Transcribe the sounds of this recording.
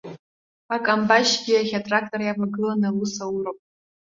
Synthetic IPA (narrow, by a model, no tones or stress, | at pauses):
akʼambaʃɡʲiaχʲatʼrak̚ʰtʼorjapaɡɨlanalusawuropʼ